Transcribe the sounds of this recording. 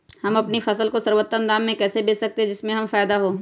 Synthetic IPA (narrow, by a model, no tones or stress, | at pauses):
hɐmɐpnifɐsəlkosɐɾwət̪ːə̃nd̪aːmːẽkɛːsebeːsɐk̚t̪eɦɛ̃d͡ʒɪsmẽɦɐmfaːjd̪aɦoː